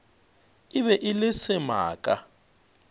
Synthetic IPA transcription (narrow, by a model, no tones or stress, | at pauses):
iβɛʔilɪsɪma̰ːkʼa̰